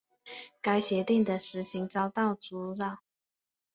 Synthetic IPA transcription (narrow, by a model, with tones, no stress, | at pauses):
ka˥ɪɕjɛ˧˥t̪i˥˩ŋd̪ə˩ʂɻ̩˧˥ɕi˧˥ŋt͡sɑ˥ʊt̪ɑ˥˩ʊt͡su˧˥ɻɑ˥˨˩